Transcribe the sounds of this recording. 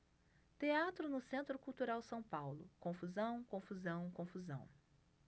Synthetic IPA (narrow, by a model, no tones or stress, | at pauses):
t̪eat̪ɾʊnʊsẽnt̪ɾʊkuwt̪uɾawsɐ̃w̃pawlʊ̰kõfuzɐ̃w̃kõfuzɐ̃w̃kõfuzɐ̰̃w̃